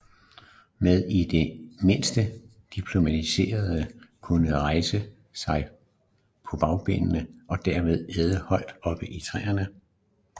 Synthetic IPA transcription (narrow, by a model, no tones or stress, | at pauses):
með̞ˠid̥e̝me̝n̰sd̥ə | d̥ipʰlo̝mæt͡sʰise̝̰ːɐð̞ˠəkʰunəʁɑ̈ɪsə | sɑ̈ɪ | pʰɒ̽b̥ɑ̈ʊb̥e̝̰nənəʔɒ̽d̥æɐme̝ð̞ˠeːð̞ˠəhɒ̽ɪ̰d̥ɒ̽b̥əʔit͡sʰʁɛ̰ːɐnə